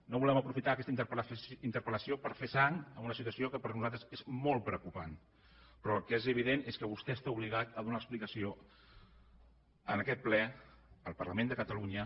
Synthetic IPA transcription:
noβulɛməpɾufit̪aːkɛst̪int̪əpint̪əɾpələsiopəɾfesaŋəmunəsit̪uwəsiokəpəɾnuzat̪ɾəsezmolˠtpɾəwkupan | pɾɔlˠkezəβ̞iðeneskəβust̪ɛəst̪auβ̞liɣat̪əðunaəksplikəsio | ənəkɛt̪̚plɛəlˠpərləmẽnd̪əkət̪əluɲə

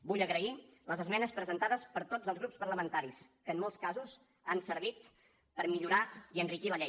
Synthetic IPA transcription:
buʎəɣɾəiləzəzmɛnəspɾəzənt̪aðəspəɾt̪od͡zəlzɣɾupspərləmənt̪aɾiskəmːolˠskazuz | ansəɾβ̞it̪ | pəɾmiʎuɾaiənrikiləʎej

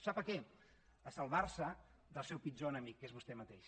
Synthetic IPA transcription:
sapəkɛ | əsəlˠβarsə | ðəlˠsɛwpid͡ʒonəmikːezβust̪ɛmət̪eʃ

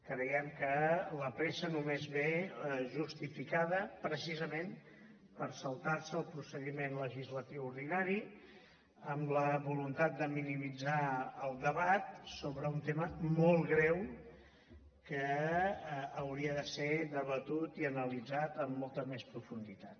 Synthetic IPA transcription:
kɾɛjəmkələpɾesənumezβeʒust̪ifikaðəpɾəsizəmen | pəɾsəlˠt̪aɾsəːlˠpɾusəðimenləʒizlət̪iwuɾðinaɾi | əmləβulunt̪at̪̚d̪əminimid͡zaəlˠd̪əβat̪soβɾəunt̪eməmɔlˠɣɾɛw | kə | wɾiəðəseðəβət̪ut̪iənəlid͡zat̪əmːɔlˠt̪əmespɾufund̪it̪at̪

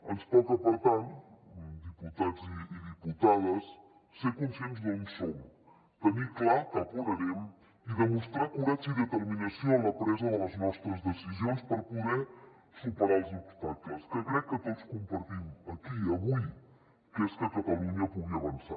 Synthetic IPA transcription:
ɐnspɔt̪ɐpɐɾt̪an | d̪iput̪ad̪ziːðiput̪aðɐsː | ekunsẽnzðõsomu | t̪əniklˠaɾkɐpuɾɐɾem | iðəmust̪ɾakulasiðət̪əɾminɐsjoɐlɐpɾɛzɐðəlɐznɔst̪ɾəzðəsizjõnspəɾpuðɛ | supəɾaɾzipuɾt̪ak̪ɐskəkɾɛkːət̪ot̪skumpɐɾt̪imɐkiɐβuj | keskət̪ɐt̪ɐlˠunjɐpuðiɐːβɐnsa̰ɾ

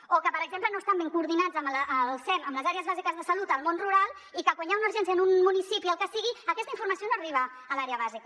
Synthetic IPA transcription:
okəpəɾəɡzemplənoəst̪ambeŋkuːɾðinad͡zəmlʔəlˠsɛnəmləzaɾeəzβazikəzðəsəlut̪əlˠmonruɾalˠ | ikəɣwaɲaunuɾʒɛnsiənunmːunisipiəlˠkəsiɣiəkɛst̪əiɱfuɾməsionoəriβ̞əː | laɾeəβazik

